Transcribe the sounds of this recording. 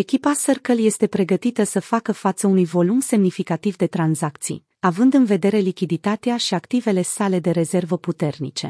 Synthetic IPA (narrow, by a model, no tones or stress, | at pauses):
e̞kʲipasərkəlje̞st̪e̞pɾe̞ɡət̪it̪əsəfakəfat̪səunujvo̞lumse̞mnifikat̪ivd̪e̞t̪ɾanzakt̪sḭj | avɨnd̪ɨnve̞d̪e̞ɾe̞likʲid̪it̪at̪eaʃiakt̪ive̞le̞sale̞d̪e̞ɾe̞ze̞rvəput̪e̞rnḭt͡ʃe̞̰